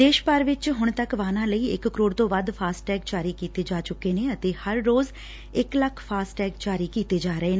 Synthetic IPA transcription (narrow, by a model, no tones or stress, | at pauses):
d̪eːʃpaɾʋɪt͡ʃɦʊɳ̃t̪əkʋaːnãːləiːɪ̰kːəɾoːɽt̪õːʋəd̪pʰaːsʈʈɛːkd͡ʒaːɾiːkiːt̪eːd͡ʒaːt͡ʃʊkːeːnẽːət̪eːhəɾːoːz | ɪkləkʰpʰaːsʈɛːkt͡ʃaːɾiːkiːt̪eːd͡ʒaːɾəeːnː